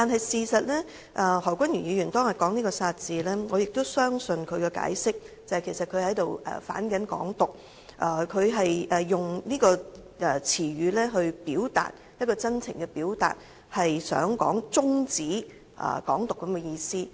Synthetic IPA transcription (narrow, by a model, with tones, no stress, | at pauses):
t̪aː˨nɦɐ˨jsiː˨˩sɐ˨t̚lɛː˥ | ʔɛ˧˩hɔː˨˩kʷɐ˥njy˨˩jiː˨˧jy˨˩nt̪ɔː˥ŋjɐ˨˩kːɔː˨˥ŋniː˥kɔː˧saː˧t̚t͡siː˨lɛː˥ŋɔː˨˧jɪ˨k̚t̪o˥wsœː˥ŋsɵ˧nkʰɵ˨˧ɥkɛ˧ka̰ː˨˥jsɪ˥k̚t͡sɐ˨hɐ˨jkʰe˨˩jsɐ˨t̚kʰɵ˨˧ɥhɐ˨˥jt̪o˨wɛ̰˨fa̰ː˨˥nkɐ˨˥nkɔ̰ː˨˥ŋt̪ʊ˨k̚ | ʔɛ˨˩kʰɵ˨˧ɥɦɐ˨jʔɛ˨jːʊ˨ŋniː˥kɔː˧ | ʔɛ˨˩t͡sʰiː˨˩ɥyː˨˧lɛː˥ɦɵ˧ɥpiː˨˥wt̪a̰ː˨t̚ | jɐ˥t̚kɔː˧t͡sɐ˥nt͡sʰɪ̰˨˩ŋkɛ˧piː˨˥wt̪a̰ː˨t̚ | hɐ˨jsœ̰ː˨˥ŋkɔ̰ː˨˥ŋt͡sʊ˥ŋt͡siː˨˥ | ʔɐ̰˨˩kɔː˨˥ŋt̪ʊ˨kːɐ˨˥mkɛ˧jiː˧siː˥